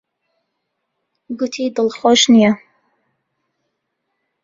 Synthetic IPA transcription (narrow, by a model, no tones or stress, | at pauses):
ɡʊt̪ʰid̪ɨlˠxoʃnija